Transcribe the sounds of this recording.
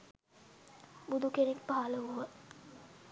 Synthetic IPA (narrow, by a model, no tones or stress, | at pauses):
bud̪ukenek̚paɦaləuʋə